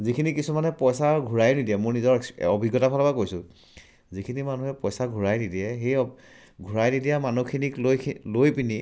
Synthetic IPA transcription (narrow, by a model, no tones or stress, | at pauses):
zikʰinikisumanɛpɔjsaɹɡʱuɹajnidiɛmʊɹnizɔɹɔbʱiɡːɔtapʰalɔbakojsʊ̃ | zikʰinimanuɦɛpɔjsaɡʱuɹajnidiɛɦej | ɡʱuɹajnidijamanukʰiniklojʰlojpini